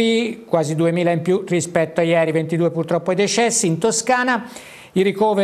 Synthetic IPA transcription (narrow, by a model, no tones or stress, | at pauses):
ikwaːzid̪uemiːlaimpjurispɛt̪ːoajɛːɾivent̪id̪uepurt̪ɾɔpːoɛd̪et͡ʃɛsːiːnt̪oskaːna | iɾikoːve